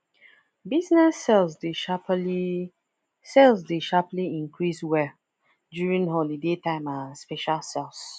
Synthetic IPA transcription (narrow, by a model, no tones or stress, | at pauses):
bisnɛsɛlsdepi | sɛlsdeʃapliĩŋkʰɹiswɛ | djuɹĩnɦɔlidetãɪ̃mãnspɛʃalsɛls